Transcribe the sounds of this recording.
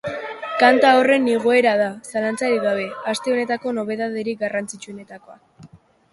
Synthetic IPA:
kant̪ao̞re̞nːiɣoe̞ɾaðasalant͡saɾiɣaβ̞e̞ast̪e̞o̞ne̞t̪ako̞no̞β̞e̞ðaðeɾiɡarant͡sit͡ʃue̞ne̞t̪ako̞a

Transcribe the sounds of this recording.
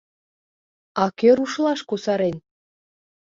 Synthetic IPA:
ɑkeɾuʃlˠɑʃkosɑɾenʲ

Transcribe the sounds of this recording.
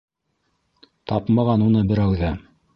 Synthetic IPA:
t̪ɑpmɑʁɑnunɤbɘ̆ɾæwðæ

